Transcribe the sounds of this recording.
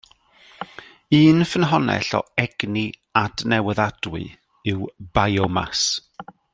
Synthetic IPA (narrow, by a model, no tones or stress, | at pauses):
iːnfənɦɔnɛ̰ɬɔ̰ɛɡ̥ni | adnɛwəðad̥wɨ̰ | ɪwbajɔma̰s